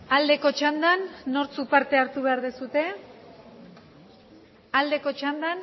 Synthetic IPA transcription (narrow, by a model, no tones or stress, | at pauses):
ald̪e̞ko̞t͡ʃand̪anːo̞ɾt͡supaɾt̪e̞aɾt̪uβe̞aɾðesut̪e̞ | ald̪e̞ko̞t͡ʃand̪an